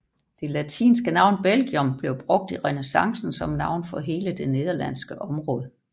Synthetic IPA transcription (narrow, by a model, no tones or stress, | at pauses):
d̥e̝læt͡sʰḭːnsɡ̥ənɑ̈ʊnb̥elɡ̥iɔ̽mb̥le̝ʊb̥ʁɔ̽ɡ̥̚d̥iʁɛnesɑ̈ŋsn̩sɒ̽mnɑ̈ʊ̰nfɒ̽ɦe̝ːləd̥e̝ne̝ð̞ˠɐlæn̰sɡ̥əʔɒ̽mʁɔ̽ːð̞ˠə